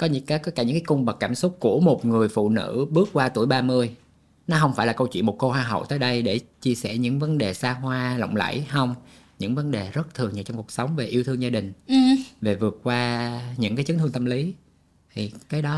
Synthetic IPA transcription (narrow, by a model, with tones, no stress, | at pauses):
kɔ˨˦ɲ˧˥kaː˨˦jkɔ˧˦˥kaː˧˩ɲɨ̰˧˥ŋkaː˨˦kʊ˧ŋ͡mɓə˨˩k̚kaː˧˩msʊ˦˥t̚ku˧˩əmo˨˩t̚ŋɨ˨˩əjfṵ˧˨nɨ̰˧˥ɓɨ˦˥ək̚kwaː˧t̪u˧˩əjɓaː˧mɨ˧əj | nɔ˨˦ɦə˧wŋ͡mfaː˧˩jlaː˨˩kə˧wt͡ɕwḭ˧˨nmo˨˩t̚ko˧hwaː˧˩ɦə̰˧˨wt̪əː˨˦jɗə˧jɗe˧˩t͡ɕi˧əsɛ˧˩ɲɨ̰˧˥ŋvə˨˦nɗe˨˩saː˧ɦwaː˧lə̰˧˨wŋ͡mlə̰˧˥jhə˧wŋ͡m | ɲɨ̰˧˥ŋvə˨˦nɗe˨˩zə˦˥t̚t̪ʰɨ˨˩əŋɲɨ˨˩t͡ɕɔ˧ŋ͡mku˨˩əksə˨˦wŋ͡mve˨˩ʔi˧əwt̪ʰɨ˧ŋzaː˧ɗï˨˩ŋ̟˨˩ve˨˩vɨ˨˩ət̚kwaː˧ɲɨ̰˧˥ŋkaː˨˦jt͡ɕɨ˨˦nt̪ʰɨ˧əŋt̪ə˧mli˨˦ | t̪ʰi˨˩kaː˨˦jɗɔ˨˦